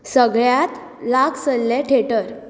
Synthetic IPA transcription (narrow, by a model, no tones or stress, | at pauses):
səɡɭjat̪ | laksəllẽʈʰeʈəɾ